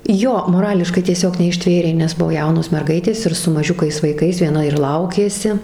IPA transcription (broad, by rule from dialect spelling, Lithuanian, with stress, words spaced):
ˈjoː moːˈrɑːlʲɪʃkɐɪ tʲiɛˈsʲoːk nʲɛɪʃʲˈtʲʋʲeːrʲeː nʲɛs ˈbʊʋoː ˈjɛʊnoːs mʲɛrˈɡɐɪtʲeːs ɪr sʊ mɐˈʒʲʊkɐɪs ʋɐɪˈkɐɪs ʋʲiɛˈnɐ ɪr ˈlˠɐʊkʲeːsʲɪ